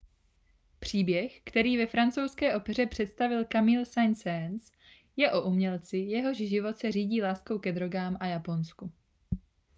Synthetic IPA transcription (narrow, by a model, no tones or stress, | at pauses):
pr̝̥iːbjɛxkt̪ɛɾiːvɛfɾant͡sowskɛːʔo̞pɛr̝ɛpr̝̥ɛt̪st̪avɪlkamiːlsajnsɛns | jɛʔo̞ʔumɲɛlt͡sɪjɛɦo̞ʒʒɪvo̞t̪sɛr̝iːɟiːlaːsko̞wkɛd̪ɾo̞ɡaːmʔajapo̞nsku